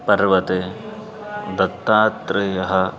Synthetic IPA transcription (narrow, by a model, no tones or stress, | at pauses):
pɐɾʋɐt̪e | d̪ɐt̪ːaːt̪ɾɐjɐɦɐ